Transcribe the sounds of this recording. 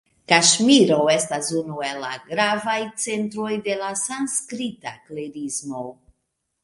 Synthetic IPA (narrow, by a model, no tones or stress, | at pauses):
kaʃmiɾo̞e̞stasunue̞lːa̰ɡɾavajt͡se̞ntɾo̞jde̞lasanskɾitakleɾizmo̞